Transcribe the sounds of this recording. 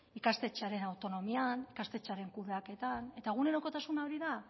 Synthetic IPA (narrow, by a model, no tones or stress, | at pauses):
ikast̪e̞t͡ʃeaɾe̞nawt̪o̞no̞mianikast̪e̞t͡ʃaɾe̞ŋkuðeake̞t̪ane̞t̪aeɣ̞une̞ɾo̞ko̞t̪asunaoɾiða